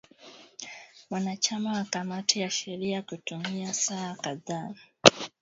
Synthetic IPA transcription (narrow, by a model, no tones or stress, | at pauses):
manat͡ʃamawakamatʰijaʃeɾijakutumijasahakaðaː